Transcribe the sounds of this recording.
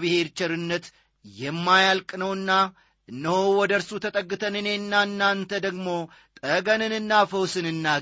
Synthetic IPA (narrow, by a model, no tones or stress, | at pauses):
bɨhe̞ɾt͡ʃɐɾɨnːət̪ | jɛmːajalkʼnəwɨnːa | ʔɨnːəhowɔd̪əɾsut̪ʰət̪ʼəɡːɨt̪ʰənɨne̞ɨnːaɨnːant̪ʰəd̪əɡmo̞ | t̪ʼəɡənɨnɨnːafəwsɨnɨnːa